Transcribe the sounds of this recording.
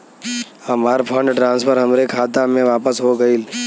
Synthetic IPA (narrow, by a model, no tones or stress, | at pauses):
əmaːɾpʰə̃ɳɖʈɾãːnspʰəɾɦəmɾekʰaːt̪amẽʋaːpəsɦoɡəiːl